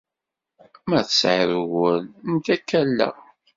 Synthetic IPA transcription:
mæθsʕiɾwəlnt̪ækːælːæ̰

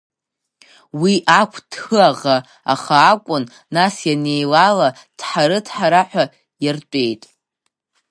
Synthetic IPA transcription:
wiʔakʷʰd̥χɨaʁa | aχaːkʷʼʊn | nasjane̞jlala | d̥ħaɾɨdʰħaɾaħʷᶣa | jart͡pʷʼe̞jtʼ

